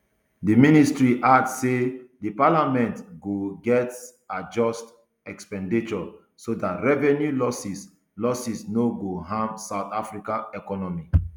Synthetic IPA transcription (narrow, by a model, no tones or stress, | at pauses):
diministɹiʔadsedipalamɛ̃ntɡoɡɛt | ad͡ʒɔst | ɛkspɛ̃ndit͡ʃɔ | sodatɹɛvɛ̃njulɔsis | lɔsisnoɡoɦãmsaʊt̪afɹikaɛkɔnɔmi